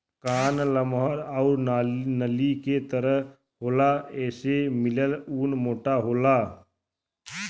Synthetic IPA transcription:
kaːnləmɦəɾɔʊɾnaːnəliket̪əɾəɦ | ɦoːlaɛːsemɪləluːnmoːʈaɦoːlaː

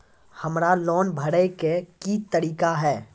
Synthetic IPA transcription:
hɐmɾalɔːnbʱɐɽekekit̪əɾiːkaɦɛː

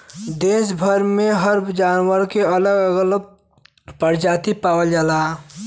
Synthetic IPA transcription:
d̪eːs̬bʱəɾmẽɦəɾbd͡ʒaːnwəɾkeələɡəɡələɡ̚ | pəɾd͡ʒaːt̪ipaːwəld͡ʒaːla

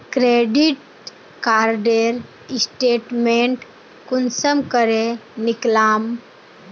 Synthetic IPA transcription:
kɾeːɖiʈ̚ | kaːɾɖeɾ | ɪsʈeːʈmẽɳʈ | kʊnsəmkəɾenɪklaːm

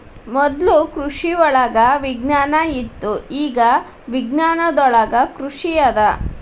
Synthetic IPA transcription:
mɔd̪lukɾuʂiʋɔɭɐɡɐʋiɡnaːnɐit̪ːuiːɡɐ | ʋiɡnaːnɐd̪ɔɭɐɡɐkɾuʂijɐd̪ɐ

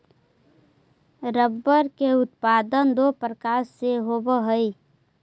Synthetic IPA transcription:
ɾəbːəɾkeʊt̪̚paːd̪ənd̪opɾəkaːɾseɦoːbəɦəi

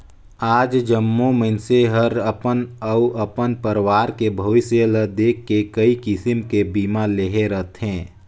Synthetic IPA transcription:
aːd͡ʒd͡ʒəmːomənseɦəɾəpənəuʔəpənpəɾwaːɾkebʱoʋɪsələd̪eːkːekəikɪsɪmkebiːmaleɦeɾət̪ɦɛ̃ː

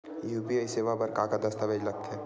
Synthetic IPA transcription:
jupiəiseʋabɐɾkakad̪ɐst̪ʰaʋed͡ʒlɐɡ̚t̪ɦɛː

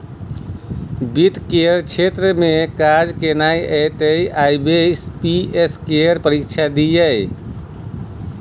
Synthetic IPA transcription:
bit̪keəɾt͡ʃʰet̪ɾəmekad͡ʒkenajʔɛt̪əjajbespieskeəɾpəɾikt͡ʃʰad̪ijəj

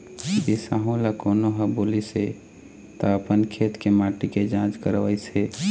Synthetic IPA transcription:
bisaɦõlakoːnoɦəbolise | t̪ɔəpənkʰet̪kemaʈiked͡ʒãt͡ʃkəɾʋəjse

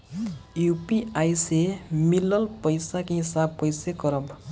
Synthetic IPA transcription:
jupiajsemilʌlpʌjsakeɦisab̚pʌjsekʌɾʌb

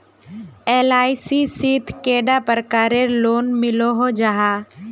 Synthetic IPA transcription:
eːlaːisisiːt̪ʰkeːɖapəɾkaːɾeloːnmɪloɦod͡ʒaɦaː

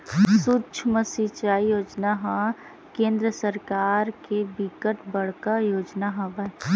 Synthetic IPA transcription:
sut͡ʃʰməsit͡ʃaːijoːd͡ʒnaɦã | kẽːnd̪ɾəsəɾkaːɾkebikəʈbɐɽ̤kajoːd͡ʒnaɦɐʋa

